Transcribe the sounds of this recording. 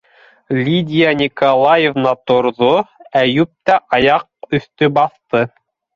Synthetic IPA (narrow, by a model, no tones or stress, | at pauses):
lʲid̪ʲijanʲikɐlˠajevnɑt̪ŏɾðoæjʉp̚t̪æʔɑjɑq̚ɵ̆θt̪ɵbɑθt̪ɤ